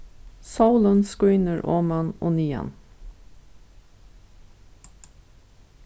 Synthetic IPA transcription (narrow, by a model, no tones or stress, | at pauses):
saʊlənskʉːnəɹʔoːmɑno̰ːniːɑ̰n